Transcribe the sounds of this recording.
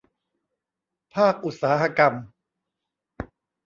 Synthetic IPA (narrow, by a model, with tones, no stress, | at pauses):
pʰaː˥˩k̚ʔu˨˩t̪̚saː˩˦ha˧ka˧m